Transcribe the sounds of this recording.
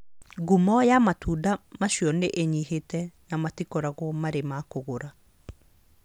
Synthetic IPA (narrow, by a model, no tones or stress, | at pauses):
ɡumɔjamatudamaʃiɔneʔeɲihetɛnamatikɔɾaɣwɔmaɾemakoɣoɾa